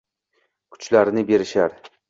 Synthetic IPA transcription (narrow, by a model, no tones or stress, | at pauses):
kʰʊ̥t͡ʃlaɾnɪbe̞ɾɪʃaɾ